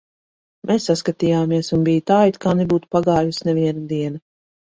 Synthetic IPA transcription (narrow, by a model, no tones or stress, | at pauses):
mʔɛsːaskat̪iːjaːmiɛsunbijt̪aːjt̪kʰaːnɛbuːt̪u̥paɡaːjusnɛviɛnad̪iɛnɐ